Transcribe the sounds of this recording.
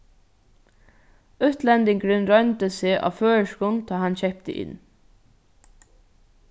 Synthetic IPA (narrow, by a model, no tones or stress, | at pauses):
ʊt̪lɛnt̪ɪŋkɾʏnɾœʏnt̪əseːʔa̰ːʋføːəʃkʊnt̪ʰɔːɦançɛhp̚t̪ə̰ʔɪ̰n